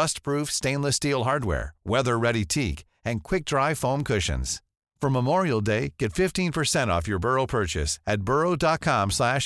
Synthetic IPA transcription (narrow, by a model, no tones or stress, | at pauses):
ʌst̚pʰɹ̥ufstẽɪ̃nləstilˠɦɑɹd̚wɛ̰ɹwɛðə˞ɹɛɾitʰik | ɨ̃nkʰw̥ɪk̚d̥ɹaɪfõʊ̃mkʰʊʃɨ̰̃nz̥ | fə˞məmɔɹil̩ˠdeɪɡ̥ɛtfɪftĩnpʰə˞sɛ̃ɾ̃ɔ̰fjə˞bɜ˞oʊpʰɜ˞t͡ʃɨ̰sɨt̚b̥ɜ˞oʊdɑt̚kʰɑ̃mslæʃ